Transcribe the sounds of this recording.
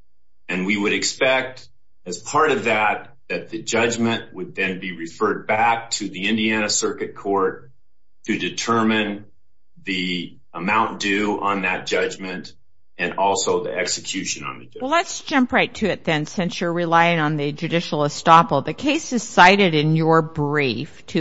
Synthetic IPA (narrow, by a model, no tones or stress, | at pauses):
ɨ̃nwiwɨɾɨkspɛk̚t | ɨz̥pʰɑɹɾʌvðɨt̪̚ | ðɨt̪̚ðɨd͡ʒʌd͡ʒmɨ̃nʔwəd̪̚ðɨ̃nbiɹɨfɜ˞d̚bæk̚tʰɨðiɪ̃ndiænɨsɜ˞kɨt̚kʰɔɹtʰ | ɨdɨtʰɜ˞mɨ̃n | ði | əmãʊ̃nd̥ʉə̃nðɨt̚d̥ʒ̥ʌd͡ʒmɨ̃nt | ɨ̃nɔlˠsoʊðiɛksɨkʰj̥ʉʃɨ̃nə̰̃nðɨwɛlətsd̥ʒ̥ʌ̃mpʰɹaɪtʰɨɪt̪̚ðɨ̃nsɪ̃nsjə˞ɹɪlaɪɪ̃ŋə̃nðɨd͡ʒʉdɪʃl̩ˠəstɑpl̩ˠðɨkʰeɪsɨz̥saɪɾɨɾɪ̃njə˞bɹiftʰɨ